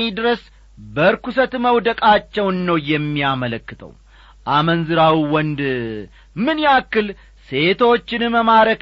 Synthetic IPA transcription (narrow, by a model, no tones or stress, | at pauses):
id̪ɨɾəs | bəɾkusət̪məwd̪əkʼat͡ʃːɛwnːəwjɛmːiamələkːɨt̪ʰʼə̰w | ʔamənzɨɾawiwɔnd̪ | mɨnjakːɨl | se̞t̪ʰo̞t͡ʃːɪnɨməmaɾək